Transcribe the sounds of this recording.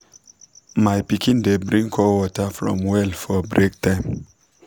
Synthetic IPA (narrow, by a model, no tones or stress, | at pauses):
majpikĩndebɾĩŋkʰɔwɔtafɾɔ̰̃mwɛlfɔbɾek̚tãɪm